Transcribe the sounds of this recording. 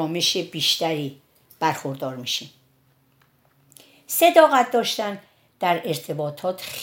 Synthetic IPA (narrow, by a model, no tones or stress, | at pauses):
ɒːmeʃebiːʃt̪æɾiː | b̥æɾxoɾd̪ɒːɾmiʃim | se̞d̪ɒːɣæt̪̚d̪ɒːʃt̪æn | d̪̥æɾe̞ɾt̪ʰe̞bɒːt̪ʰɒːt̪ʰx